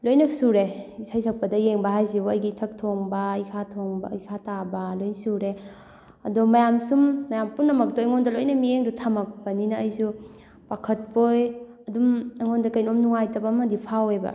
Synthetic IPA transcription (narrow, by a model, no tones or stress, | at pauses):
lojnɐsuɾesajsʰak̚pɐdɐjeŋbɐɦajzibuɐjɡitʰɐk̚tʰoŋbɐikʰatʰoŋbaikʰatabɐlojnsuɾe | ɐ̰dɔmɐjamsumːɐjampunːɐmɐk̚tojŋondɐlojnɐmieŋdutʰamɐk̚pɐninɐːjsu | bakʰɐt̚poj | ɐdumaŋondɐkɐjnomnuŋajtɐbɐmɐdipʰawebɐ̰